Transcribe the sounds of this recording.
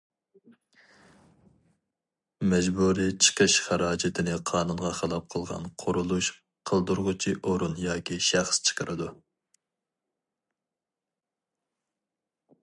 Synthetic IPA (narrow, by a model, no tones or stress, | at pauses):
mɛd͡ʒbuɾit͡ʃʰə̥qʰəʃχæɾɑːd͡ʒɪt̪ʰɪnɪqʰɑːnunʁɑχəlˠɑp̚qʰəlˠʁɑ̰nqʰʊɾulˠuʃ | qʰəlˠd̪uɾʁʊt͡ʃʰiʔoɾunjɑːkʲiʃæχst͡ʃʰə̥qʰəɾʔɨd̪u